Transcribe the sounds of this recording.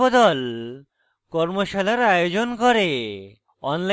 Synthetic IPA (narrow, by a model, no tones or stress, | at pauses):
od̪ɔl | kɔɾmoʃalaɾajod͡ʑonkoɾe | ɔnla